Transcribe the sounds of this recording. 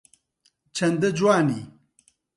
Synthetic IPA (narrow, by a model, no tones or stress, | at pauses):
t͡ʃʰɐnd̪ɐd͡ʒwaːniː